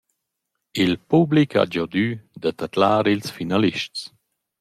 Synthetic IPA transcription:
ilpublikʰa̰d͡ʒɔd̪yd̪at̪at̪laːɾilsfinaliʃtt͡s

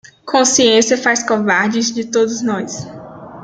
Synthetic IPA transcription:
kʰõsiẽsiɐfajskovaɾd͡ʒɪzd͡ʒɪt̪od̪ʊznɔjs

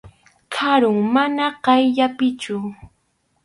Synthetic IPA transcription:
kʰaɾʊŋmanaɢɑjʎapɪt͡ʃʊ

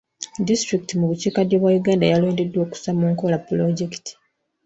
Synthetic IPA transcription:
distɾikitimuβuciːkadjeβwajuɡaːndajalo̞ːnde̞dːwo̞ːku̥samuːŋkolapːuloɟeki̥ti̥

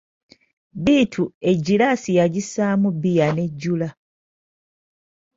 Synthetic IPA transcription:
biːtʰue̞ɟːilasijaɟisamubijane̞ɟːula

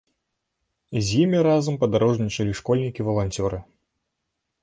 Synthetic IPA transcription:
zʲjimʲiɾazɐmpɐd̪aɾɔʐnʲit͡ʂɐlʲiʂkɔlʲnʲikʲivɐlˠanʲt͡sʲɔɾɨ

